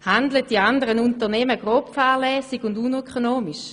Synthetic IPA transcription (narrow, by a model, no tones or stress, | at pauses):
handlət̚d̥iandəʁənuntəʁnɛːməɡ̥ʁoːpfɛːʁlɛːsiɡʊndunœkʰonoːmiʃ